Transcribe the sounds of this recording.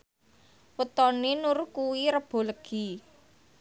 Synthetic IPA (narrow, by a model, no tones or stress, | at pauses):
wət̪ɔnenuɾukuwiɾəb̥o̤ləɡ̥i